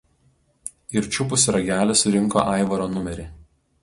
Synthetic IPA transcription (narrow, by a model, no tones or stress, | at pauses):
ɪɾʲt͡ʃʲʊpʊsʲɾɐɡʲæːlʲɛsʊɾʲɪŋˑko̰ːʔɑˑɪʋɐɾoːnʊmʲɛɾʲɪ